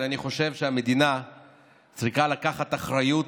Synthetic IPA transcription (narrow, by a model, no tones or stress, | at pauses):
aniχo̞ʃe̞vʃeame̞d̪ina | t͡sʁiχalakaχat̪aχʁajut